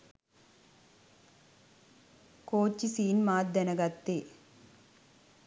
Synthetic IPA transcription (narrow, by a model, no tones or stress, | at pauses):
koːt͡ʃːisiːnmaːd̪ɐnɐɡɐt̪ːe